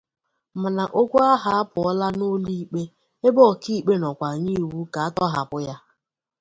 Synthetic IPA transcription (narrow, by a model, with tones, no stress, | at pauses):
mʊ˨na˨ʔo˦kʷu˦a˦ɦa˦a˦pʊ˨ɔ˦la˦no˦li˦˨k͡pe˦ | e˦bɔ˦˨ki˦˨k͡pe˦nɔ˨kʷa˨ɲi˦˨wu˦ka˨a˦tɔ˦ɦa˨pʊ˦ja˦